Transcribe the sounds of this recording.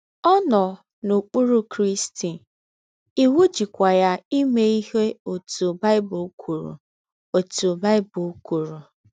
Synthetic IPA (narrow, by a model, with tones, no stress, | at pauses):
ɔ˦nɔ˨ | nu˨k͡pu˦ɾu˦kɾi˦sti˨ | i˦wu˦d͡ʒi˨kʷa˨ja˦i˦me˦i˦ɦe˦o˨tu˨ba˦ɪ˦bʊ˨˦kʰu˨ɾṵ˨ | o˨tu˨ba˦ɪ˦bʊ˨˦ku˨ɾu˨